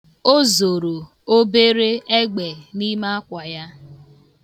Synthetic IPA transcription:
o˦zo˨ɾo˨ | o˦be˦ɾe˦e˦ɡ͡be˨ni˦ma˦a˦kʷa˨ja˦

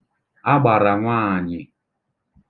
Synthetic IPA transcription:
a˦ɡ͡ba˨ɾa˨ŋʷaː˦˨ɲɪ˨

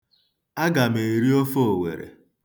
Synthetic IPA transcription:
a˦ɡa˨me˨ɾi˦o˦fo˦o˨wḛ˨ɾḛ˨

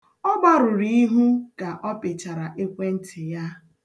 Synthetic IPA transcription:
ɔ˦ɡ͡ba˦ɾʊ˨ɾi˦i˦ɦu˦ka˨ʔɔ˦pɪ˨t͡ʃa˨ɾa˨ʔe˦kʷe˦n̩˦tʰɪ˨ja˦

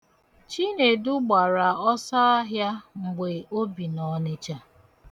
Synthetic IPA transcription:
t͡ʃi˦ne˨du˦ɡ͡ba˨ɾa˨ɔ˦sa˦a˦ɦja˦ŋ͡m̩˨ɡ͡be˨o˦bi˨nɔ˨ne˦t͡ʃa˦

